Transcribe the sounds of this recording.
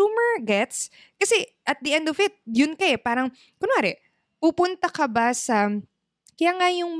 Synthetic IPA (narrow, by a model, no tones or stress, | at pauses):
umɛɹɡɛt̪s | kɐsɛʔɐt̪̚d̪ɐʔɛnd̪ɔvɪt̪̚jʊnkɐɛpaːɾɐŋ | kʊnoaːɾɛ | pupʊnt̪ɐkɐbasɐ | kɐjaŋajʊŋm